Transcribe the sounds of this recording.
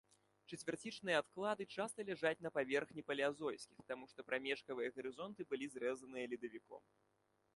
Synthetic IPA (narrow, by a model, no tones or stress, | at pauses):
t͡ʂɛt͡sʲvʲart͡sʲit͡ʂnɨjɐat̪klˠad̪ɨt͡ʂast̪ɐlʲaʐat͡sʲnɐpavʲɛrxnʲipɐlʲazɔjsʲkʲixt̪amuʂt̪ɔpɾamʲɛʂkɐvɨjɐɣɐɾɨzɔnt̪ɨbɨlʲizɾɛzɐnɨjɐlʲid̪ɐvʲikɔ̰m